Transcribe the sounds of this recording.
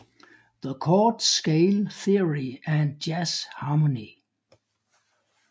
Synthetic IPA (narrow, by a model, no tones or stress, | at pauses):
ðəkʰɔdskeɪlθiəɹiɨ̃ndd͡ʒæshɑməni